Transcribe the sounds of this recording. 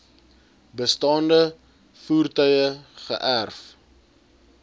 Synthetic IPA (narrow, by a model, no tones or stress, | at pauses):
bəstɑːndə | fuːrtœɥəχə̰ʔærf